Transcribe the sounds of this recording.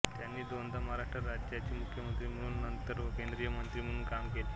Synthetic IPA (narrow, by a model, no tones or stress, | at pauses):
t̪janːiːd̪ond̪əmaɾaʂʈɾəɾad͡ʑjat͡ɕiːmukʰjəmənt̪ɾiːm̤əɽuːnnənt̪əɾʋəkend̪ɾijəmənt̪ɾiːm̤əɽũnkamkele